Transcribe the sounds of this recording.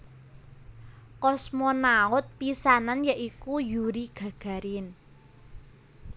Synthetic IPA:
kɔsmɔnaʊt̪̚pisananjəʔikujuɾiɡ̥ä̤ɡ̥a̤ɾin

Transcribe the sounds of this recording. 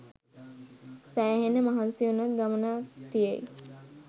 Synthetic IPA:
sæːɦenəmaɦansijunat̪̚ɡamənaːt̪ijej

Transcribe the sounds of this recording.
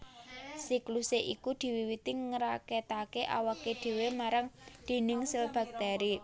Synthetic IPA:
sikluseʔikud̪̥i̤wiwit̪iŋəɾaket̪akeʔa̰waked̪̥e̤wemaɾaŋd̪̥e̤nɪŋsəlb̥a̤k̚d̪̥a̤ɾi

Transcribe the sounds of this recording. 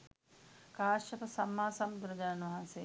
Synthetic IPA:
kaːʃɐpəsɐmːaːsɐmd̪uɾɐd͡ʒannʋɐɦanse

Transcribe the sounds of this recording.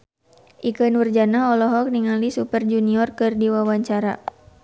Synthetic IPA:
ʔikənwərd͡ʒanaɔlɔɦɔk̚niŋalisupərd͡ʒuniɔrkɨrdiwawaɲt͡ʃaɾa

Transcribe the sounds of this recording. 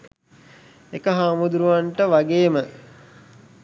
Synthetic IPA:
ekəɦaːmud̪uɾuʋanʈəʋaɡeːmə

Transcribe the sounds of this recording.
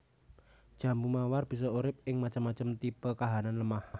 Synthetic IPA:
d̥ʒ̥a̤mbumawarb̥i̤s̬ɔuɾɪp̚ɪŋmat͡ʃəmːat͡ʃəmt̪ipəkaɦananləmaha

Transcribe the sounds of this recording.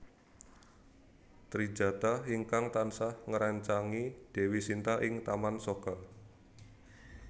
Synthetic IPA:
t̪ɾi̥d͡ʒ̥a̤t̪aɦiŋkaŋt̪ansahŋəɾaɲt͡ʃaŋid̪̥ɛ̤wisint̪aʔɪŋt̪amansoka

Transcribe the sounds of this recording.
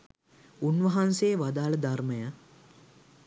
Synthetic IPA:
unʋɐɦansejːʋad̪aːləd̪arməja

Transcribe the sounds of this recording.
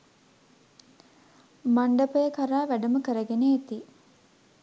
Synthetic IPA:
maɳɖəpəjəkaɾaːʋæɖəməkəɾəɡeneːt̪i

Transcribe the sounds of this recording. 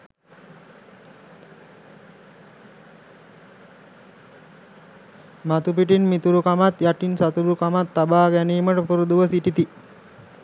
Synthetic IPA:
mat̪upiʈ̬inmit̪uɾukamat̪jaʈinsat̪uɾukamat̪ːabaːɡæniːməʈəpuɾud̪uʋəsiʈit̪i

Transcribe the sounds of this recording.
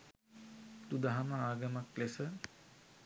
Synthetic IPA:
d̪ud̪aɦaməaːɡəmaklesə

